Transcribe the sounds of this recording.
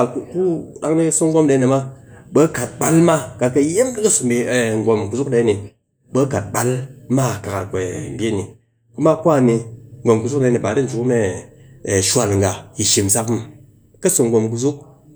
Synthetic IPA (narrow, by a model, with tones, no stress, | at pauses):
a˨u˦ku˦ɗa˦ŋni˦su˦ŋ̩˦ɡo˦mde˧˦ni˨ma˦bə˦ka˨t̚ɓa˨˦lma˦ka˨t̚kɐ˧˦je˦mdi˦kɐ˦su˨mbi˧˨ŋ̩˨ɡo˧mku˧zu˦kde˨˦ni˨ | bə˦ka˨t̚ba˦lma˦˨ka˨ka˨tkʷe˨bʲe˦ni˨ | ku˦ma˦ku˦a˦˨ni˧ŋ̩ɡʷo˨mku˨˧zu˦k̚da˧˦ni˨ba˨˦di˦n̩˨t͡ʃu˨ku˦me˦˨ | ʃʷa˨lŋ̩˨ɡa˨ji˨ʃi˨m˨sa˦k | kɐ˦su˨ŋ̩˦ɡo˧mku˧zu˦k̚